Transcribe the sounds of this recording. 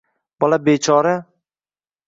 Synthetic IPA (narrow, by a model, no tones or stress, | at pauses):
b̥ɒlˠabeːt͡ʃʰɒːɾa